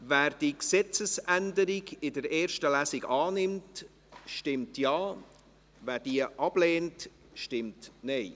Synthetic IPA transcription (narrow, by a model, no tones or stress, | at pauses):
væːɾd̥iksɛt͡səsʔændəɾiɡɪdəɾeːɾʃtəlæːsɪɡɑːnɪmt | ʃtɪmtjɑː | væːɾdiəʔɑb̥leːnt | ʃtɪmtnɛɪ